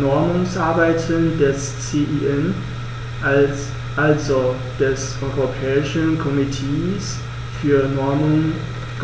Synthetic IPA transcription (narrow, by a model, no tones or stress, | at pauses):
nɔɐmʊŋsʔaɐbaɪtʰəndɛs | t͡seʔiʔɛn | ʔal | ʔalzo | d̥ɛsʔɔʏʁopʰɛːɪʃənkʰɔmitʰeːs | fyːɐnɔɐmʊŋ | ɡ̥